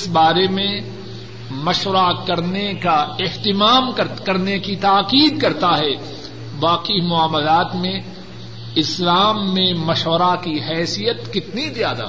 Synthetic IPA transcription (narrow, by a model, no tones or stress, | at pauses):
ɪsbaːɾemẽ | mɐʃʋəɾakɐɾnekaɪɦt̪ɪmaːmkɐɾkɐɾnekit̪aːqiːd̪̚kɐɾt̪aɦɛː | ʋaːqimʊaːməlaːt̪mẽ | ɪslaːmːẽmɐʃwəɾakiɦɛːsijət̪kɪt̪nizjaːd̪a̰ː